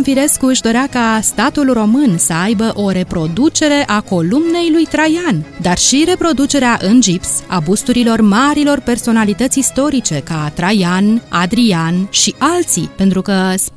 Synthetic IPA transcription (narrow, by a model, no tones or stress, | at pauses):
mfiɾe̞skuɨʃd̪o̞ɾeakast̪at̪ulro̞mɨnsəajbəʔo̞ɾe̞pɾo̞d̪ut͡ʃe̞ɾe̞ʔako̞lumne̞jlujt̪ɾajand̪arʃiɾe̞pɾo̞d̪ut͡ʃe̞ɾeaʔɨnd͡ʒipsa̰bust̪uɾilo̞rmaɾilo̞rpe̞rso̞nalit̪ət̪sʲist̪o̞ɾit͡ʃe̞kat̪ɾajanad̪ɾianʃiʔalt̪sipe̞nt̪ɾukəs